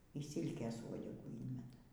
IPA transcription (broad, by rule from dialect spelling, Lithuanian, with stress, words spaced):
iː ˈsʲiːlʲkʲeːs ˈʋuɔdʲɛɡuː ˈiːnʲmʲɛtɐ